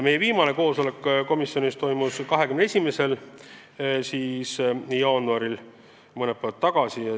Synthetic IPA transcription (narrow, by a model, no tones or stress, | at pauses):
me̞jeviːmɑne̞ko̞ːso̞le̞kːko̞misːjo̞nist̪o̞jmuskɑɦe̞kymneesʲimesel | siːsjɑːnuɑɾil | mɤnepævɑt̪ːɑɡ̥ɑsiɑ